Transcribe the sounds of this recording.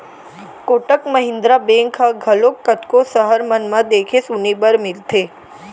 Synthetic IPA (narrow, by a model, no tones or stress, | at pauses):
koʈəkməɦɪ̃nd̪ɾabeŋkʰãɡʱəlokːət̪kosəɦəɾmənmãd̪ekʰesunibəɾmɪlt̪ʰe